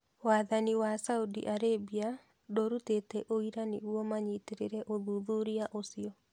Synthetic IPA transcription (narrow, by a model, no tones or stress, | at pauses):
waːðaniwasaudḭʔaɾebia | doɾutetɛʔoiɾaneuɔmaɲiteɾeɾɛʔoðuðuɾiaʔosiɔ